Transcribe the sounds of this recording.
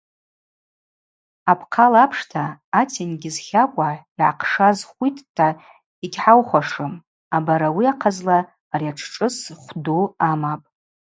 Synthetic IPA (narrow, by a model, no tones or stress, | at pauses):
apʰqʰalapʰʂtʰaːtʰinɡʲɪzχʲakʷʼaiʕa̰qʰʂazχʷitʼːʰa | iɡʲħawχʷaʂɨm | abaɾawiaqʰazlaː | riaʈ͡ʂʰʈ͡ʂʼɨsχʷduamapʼ